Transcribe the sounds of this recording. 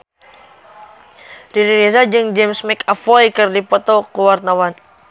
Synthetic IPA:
diɾiɾɛsad͡ʒɨŋd͡ʒɛmsmɛkafɔjkɨrdipɔt̪ɔkuwart̪awan

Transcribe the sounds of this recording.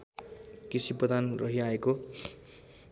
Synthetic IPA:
kisipʌd̪anrʌɦiaeko

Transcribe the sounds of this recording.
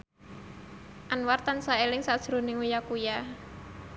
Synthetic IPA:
ʔanwart̪ansaelɪŋsad̥ʒ̥ɾṳnɪŋujakuja

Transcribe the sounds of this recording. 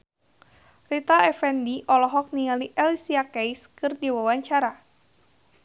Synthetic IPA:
rit̪aɛfɛndiʔɔlɔɦɔk̚niŋaliʔɛlisiakɛjskɨrdiwawaɲt͡ʃaɾa

